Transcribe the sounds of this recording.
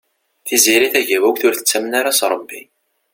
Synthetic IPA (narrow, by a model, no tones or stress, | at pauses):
θiziɾiθæʝævækθʊɾθə̥t͡sːæmənaɾasɾˤəbːi